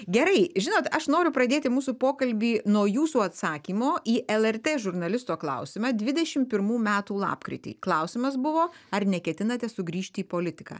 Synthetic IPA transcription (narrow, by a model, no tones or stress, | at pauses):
ɡʲɛɾɐɪʒʲɪnoːt̪ɐʃnoːɾʲʊpɾɐd̪ʲeːt̪ʲɪmuːsupoːkɐlʲbʲiːnuɔjuːsuːɐt̪sɑːkʲiːmoːʔiːʔɛlˠɛrt̪ʲeːʒʊɾnɐlʲɪst̪oːklˠɐ̰ʊsʲɪmɑːd̪ʲʋʲɪd̪ʲɛʃʲɪmpʲɪɾmuːmʲæːt̪uːlˠɑ̰ːpkɾʲɪ̰t̪ʲḭklˠɐʊsʲɪmɐs̬bʊʋoːɐrnʲɛkʲɛt̪ʲɪnɐt̪ʲɛsʊɡɾʲiːʃʲt̪ʲiːpoːlʲɪt̪ʲɪkɑ̰ː